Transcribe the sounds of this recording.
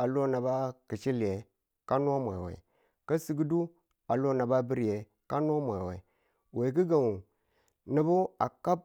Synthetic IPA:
a˨lo˦˨na˨ba˦ki˨t͡ʃi˦li˨e˨ | ka˦n˦a˦mʷ˨e˨wḛ˨ | ka˦si˨ɡi˦du˦ | a˨lo˦na˨ba˦bi˦ɾi˨je˨ | ka˦nʷ˦a˦mʷ˨e˨wḛ˨ | we˨ki˦ɡa˨ŋu˨ | ni˨bu˦a˨ka˦b̚

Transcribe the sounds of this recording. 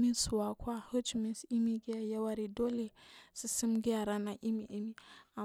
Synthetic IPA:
mi˦su˨wa˨kʷʰwa˦ho˦t͡ʃmi˦si˦mi˦ɡi˦a˨ja˦wa˦ɾi˨do˦le˨si˨si˦mɡi˦a˨ɾa˦na˨ʔi˦mi˨ʔi˦mi˦a˨

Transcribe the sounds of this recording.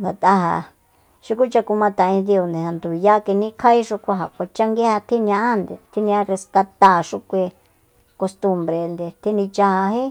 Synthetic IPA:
nɡa˨t̪a˦ɦa̰˧ | ʃu˦ku˦t͡ʃa˧ku˧mã˧t̪ã˨˧ĩ˧d̪i˧o˧nd̪ẽ˨ha˨nd̪u˨i˧ja˦˧ke˧nĩ˦kʰa˦i˦ʂu˧kʷa˧ɦa˨kʷa˧t͡ʃa˦ŋɡe˦ha˧t̪ʰi˦n˧ã˧ʔa˦nd̪e˨t̪ʰi˦nĩ˧a˧ɾe˧ska˧t̪a˧˨ʂu˧kʷe˧ | ko˧st̪u˧mbɾe˧nd̪e˧˨t̪ʰi˦nĩ˧t͡ʃa˧ha˧ɦe˦

